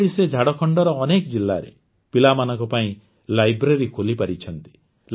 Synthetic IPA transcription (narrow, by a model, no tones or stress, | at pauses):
ɽised͡ʒʱaɽɔkʰɔɳɖɔɾɔːnekɔd͡ʒilːaɾḛ | pilamanɔŋkɔpaĩ | lajbɾeɾikʰolipaɾit͡ʃʰɔnt̪i̥ | l